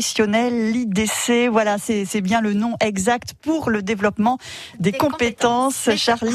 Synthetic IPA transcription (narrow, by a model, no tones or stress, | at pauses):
isjɔnɛlːid̪esevwalasɛsɛbjɛ̃lənɔ̃ʔɛɡzakt̪puʁləd̪evlɔpmɑ̃d̪ekɔ̃pet̪ɑ̃sʃaʁli